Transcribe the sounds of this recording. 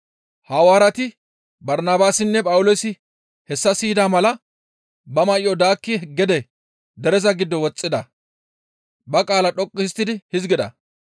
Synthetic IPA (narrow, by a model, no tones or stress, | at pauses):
hɐwaːɾɐt̪ɪ | bɐɾnaːbaːsɪnːɛpʼɐwʊloːsɪ | hɛsːɐsiːd̪aːmɐlɐ | bɐmɐjɪɔd̪aːkːɪɡɛd̪ɛ | d̪ɛɾɛzɐɡɪd̪ːɔwɔt͡sʼːɪd̪ɐ | bɐkʼaːlɐɗɔkʼːɪst̪ːɪd̪ɪhɪzɡɪd̪ɐ̰